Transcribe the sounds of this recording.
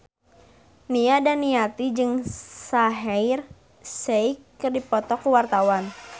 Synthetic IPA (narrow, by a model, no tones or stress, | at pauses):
niadanːiat̪id͡ʒɨŋsaɦɛir | seikːɨrdipɔt̪ɔkːuwart̪awan